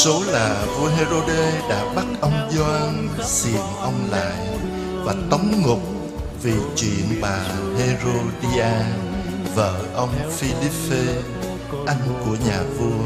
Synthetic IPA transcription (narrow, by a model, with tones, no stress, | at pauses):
so˨˦laː˨˩vu˧əɦe˧zo˧ɗe˧ɗa̰ː˧˥ɓa˦˥t̚ʔə˧wŋ͡mzwaː˧n | si˨˩ənʔə˧wŋ͡mla̰ː˧˨j | vaː˨˩t̪ə˨˦wŋ͡mŋʊ˨˩k͡p̚ | vi˨˩t͡ɕwḭ˧˨ənɓaː˨˩ɦe˧zo˧ɗi˧ʔaː˧ | və̰ː˧˨ʔə˧wŋ͡mfi˧li˦˥pːe˧ | ʔa˧jŋ̟ku˧˩əɲaː˨˩vu˧ə